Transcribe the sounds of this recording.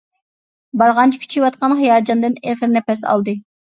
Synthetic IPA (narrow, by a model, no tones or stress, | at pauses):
bɑɾʁɑnt͡ʃʰikʲʰy̥t͡ʃʰiwɑt̪̚qɑnɦijɑːd͡ʒɑnd̪ɨneχɾnɛpɛsɑ̰lˠd̪ɨ